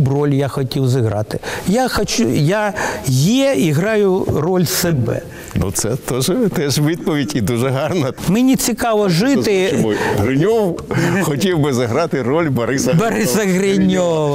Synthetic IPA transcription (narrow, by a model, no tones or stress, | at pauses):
brolʲjaxɔtʲiwzɪɣɾɑ̰t̪ɪjaxɐt͡ʃujajeɛiɦɾɑjʊrolʲsɐbɛ̰ | nṵt̪sɛt̪oʒɛt̪ɛʂʋid̪̚pɔʋʲidʲid̪uʐɛɦɑrnɐmɪnʲɪt͡sʲɪkɑʋɐʐɪt̪ɪɦɾɪnʲowxɔtʲiwbɨzɐɦɾɑt̪ɪrɔlʲbɐɾɪsɐbɐɾɪsɐɣrɪnʲoʋɐ